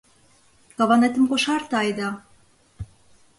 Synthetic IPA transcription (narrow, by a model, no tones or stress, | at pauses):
kɑβɑnet̪ə̆mkoʃɑrt̪ɑjd̪ɑ